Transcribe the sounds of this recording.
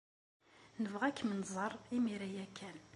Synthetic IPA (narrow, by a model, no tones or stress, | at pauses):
nəvʁækːmənzˤərˤimiɾæjækʰːæn